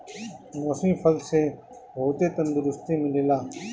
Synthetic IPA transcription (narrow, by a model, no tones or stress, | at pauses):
nosĩːfʰəlseː | bʱoːt̪eːt̪ənd̪ʊɾʊst̪iːmɪleːlaː